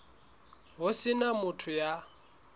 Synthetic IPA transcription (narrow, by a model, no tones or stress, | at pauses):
ɦʊsɪnamʊtʰʊja